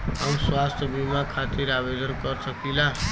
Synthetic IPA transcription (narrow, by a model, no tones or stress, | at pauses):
ɦamswast̪ʰjəbimakʰat̪iɾabed̪ənkəɾsəkila